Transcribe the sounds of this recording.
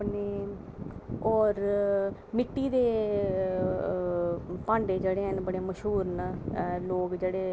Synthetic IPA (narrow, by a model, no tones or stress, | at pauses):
pneː | ɔːɾ | mɪʈːiːd̪eː | pãːɳɖeːd͡ʒeːɽeːɦənbəɽeːməʃɦuːɾnaloːkd͡ʒeːɽeː